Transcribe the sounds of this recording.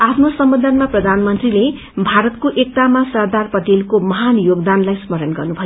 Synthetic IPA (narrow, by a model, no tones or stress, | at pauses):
apʰnosʌmbʌd̪ʱʌnmaprʌd̪ʱanmʌnt̪rile | bʱaɾʌt̪̚koʔek̚t̪amasʌrd̪arpʌʈelkomʌɦanjoɡd̪anlajsmʌɾʌnɡʌrnubʱʌjo